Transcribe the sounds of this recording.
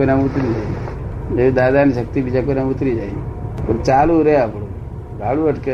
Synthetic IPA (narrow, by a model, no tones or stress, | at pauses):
onamut̪ɾid͡ʒai | ed̪ad̪aniʃək̚t̪ibid͡ʑakonamut̪ɾid͡ʒaipənt͡ʃaluɾəjapɽo | ɡʱaluəʈke